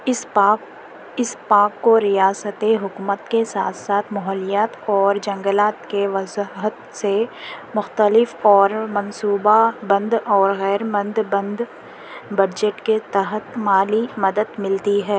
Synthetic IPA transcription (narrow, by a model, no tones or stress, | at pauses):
ɪspaːkːoɾijaːsət̪eɦʊkuːmət̪kesaːt̪ʰsaːt̪ʰmɔɦɔːlijaːt̪ɔːɾd͡ʒɐ̃ŋɡəlaːt̪keʋɐzɦət̪semʊxt̪əlɪfɔːɾmɐ̃nsuːbabɐ̃nd̪ɔːɾɣɛːɾmɐ̃nd̪bɐ̃nd̪ | bɐd͡ʒeʈket̪ɐɦət̪maːlimɐd̪əd̪mɪlt̪iɦɛː